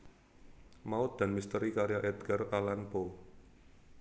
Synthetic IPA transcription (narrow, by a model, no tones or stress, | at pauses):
maʊt̪̚d̪̥a̤nmist̪əɾikaɾjaʔɛd̪ɡəralanpo